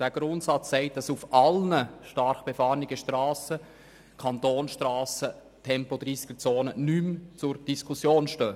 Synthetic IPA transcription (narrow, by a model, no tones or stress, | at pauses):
d̥æːɡ̥ɾʊntsɑt͡sːɛɪt̚d̥ɑsufʔɑlnəʃtɑɾχb̥ɛfɑːɾnɪɡəʃtrɑːsə | kʰɑntoːnʃtrɑːsə | tʰɛmpod̥̪ɾiːsɪɡ̥ət͡soːnənymt͡sʊɾd̥iskʰusjoːnʃtøː